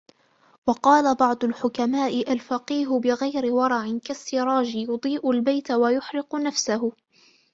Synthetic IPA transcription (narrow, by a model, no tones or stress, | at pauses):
wɑqɑːlabɑʕd̪ˤʊlħʊkamaːʔɪʔalfɑqiːɦʊbɪɣajɾɪwɑɾˤɑʕɪnkasːɪɾˤɑːd͡ʒɪjʊd̪ˤiːʔʊlbajt̪awajʊħɾɪqʊnafsaɦʊ